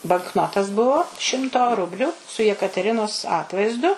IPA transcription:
bɐŋkˈnoːtɐs ˈbʊʋoː ˈʃʲɪmtoː ˈrʊbʲlʲʊ sʊ jɛkɐtʲɛˈrʲɪnoːs ˈɑːtʋɐɪzdʊ

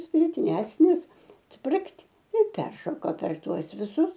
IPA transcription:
sʲpʲɪˈtʲrʲæːsʲnʲɪs ˈsʲpʲrʲɪkt ɪ ˈpʲɛrʃoːkoː pʲɛr ˈtuɔs ʋʲɪˈsʊs

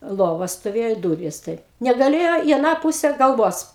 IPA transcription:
ˈlˠoːʋɐ stoːˈʋʲeːjoː ɪ ˈduːrʲiːs tɐɪp nʲɛɡɐˈlʲeːjoː iː ɐˈnɑː ˈpuːsʲɛ ɡɐlˠˈʋoːs

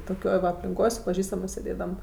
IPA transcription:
toːˈkʲoːj ʋɐ ɐpʲlʲɪŋˈkoːj sʊ pɐˈʒʲiːstɐmɜs sʲeːˈdʲeːdɐm

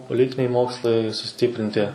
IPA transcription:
poːˈlʲɪtʲɪnʲɛɪ ˈmoːkslˠɐɪ sʊˈsʲtʲiːpʲrʲɪnʲtʲɪ

